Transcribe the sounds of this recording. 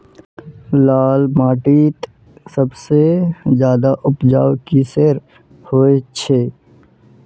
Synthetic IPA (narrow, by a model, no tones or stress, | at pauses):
laːlmaːʈiːt̪ | səbsezjaːd̪aʔʊpd͡ʒaːwkiseɾ | hoːet͡ʃʰeː